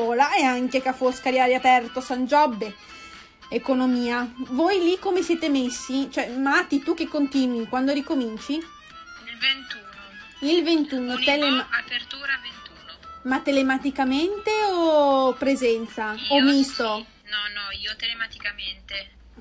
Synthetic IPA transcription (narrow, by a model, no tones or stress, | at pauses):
ɔːlaeaŋkekafoskaɾjaːɾiapɛrt̪osand͡ʒɔbːe | ekonomiːavojlikːomesjɛːt̪emesːit͡ʃoɛmat̪it̪uk̟ːekːont̪iːnwikwand̪oɾikomint͡ʃi | ilvent̪uːno | ilvent̪uːnot̪elemaapert̪uːɾavent̪uːnomat̪ːelemat̪ikament̪eopɾezɛnt̪saomist̪o | nɔnɔiːot̪elemat̪i̥kament̪e